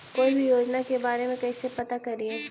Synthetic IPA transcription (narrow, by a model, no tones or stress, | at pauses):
koːibʱijoːd͡ʒnakebaːɾemẽkɐisepɐt̪akɐɾieː